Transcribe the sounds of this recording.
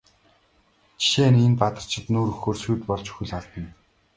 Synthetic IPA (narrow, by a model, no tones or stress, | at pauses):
t͡ɕʰi̥ʃeːnenpat̪ə̆r̥t͡ɕʰɪ̆t̪nuːɾɵxoːrsujt̪pɔɮt͡ɕɵ̥xɵ̆ɮaɮt̪ə̆n